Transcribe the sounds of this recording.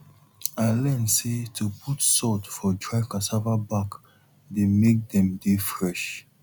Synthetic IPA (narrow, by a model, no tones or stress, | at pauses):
alɛ̃nsetʰupʰutsɔtfɔdɹaɪkasavabak | demek̚dɛ̃mdefɹɛʃ